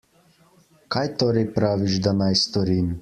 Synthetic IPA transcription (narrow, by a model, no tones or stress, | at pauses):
kaːjt̪oːɾɛjpɾaːʋiʒd̪anajst̪ɔɾiːm